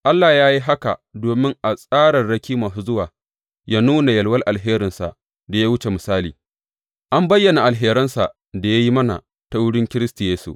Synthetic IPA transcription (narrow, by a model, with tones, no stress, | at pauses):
ʔa˦lːa˨jaː˦ji˦ɦa˦ka̰˨doː˨mɪ˦ŋʔa˨sʼaː˦ɽɐ˨rɽɐ˦kʲiː˦mɐ˨su˨zʊ˦waː˨ | ja˦nuː˦na˨jɐ˨lwɐ˦rʔa˨lɦeː˦ɾɪ˨nsa̰˨ʔ | da˨ja˦wʊ˦t͡ʃe˨mɪ˨saː˦liː˨ | ʔa˦mbɐ˦jːɐ˨na˨ʔa˨lɦeː˦ɾɐ˦nsa˨ʔ | da˨ja˦ji˦mɐ˦na̰˨ | ta˨wʊ˦ɽɪ˦ŋkʲɪ˦ɾɪ˦sti˨jeː˦sṵ˨ʔ